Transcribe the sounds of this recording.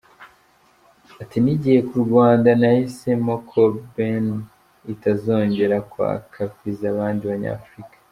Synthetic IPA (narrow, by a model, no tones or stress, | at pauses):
atiniɟihe̞kuɾɡwaːndanahise̞mo̞kʰoben | itazo̞ːɲɟe̞ɾakwa̰ːkʰakwizaβaːndiβaɲa̰ːfɾikḁ